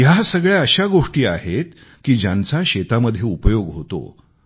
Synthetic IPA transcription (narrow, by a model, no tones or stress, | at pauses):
jasəɡɭjaəɕaɡoʂʈiːaɦet̪̚ | kiːd͡ʑãnt͡saɕet̪aməd̪ʱːjeupəjoɡɦot̪o̰